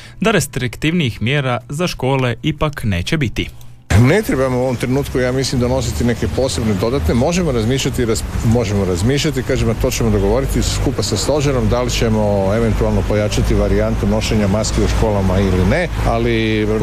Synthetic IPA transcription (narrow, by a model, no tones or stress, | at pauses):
d̪aɾest̪ɾikt̪iʋniixmjeːɾazaʃko̞ːle̞ipakne̞̰ːt͡ɕebit̪i | ne̞t̪ɾebamuoomt̪ɾenuːt̪kujaːmislimd̪ono̞s̬it̪ine̞kepo̞ːse̞bned̪o̞d̪at̪nemo̞ʒe̞moɾazmiːʃʎat̪iɾamo̞ʒemoɾazmiːʃʎat̪ikaːʒemat̪o̞ːt͡ɕemod̪o̞ɡo̞ʋo̞ɾit̪iskupasast̪o̞ʒaɾo̞md̪alit͡ɕemo̞e̞ʋe̞nt̪ualˠno̞po̞jat͡ʃat̪iʋaɾiant̪uno̞ʃeɲamaskiuʃko̞ːlamailine | ali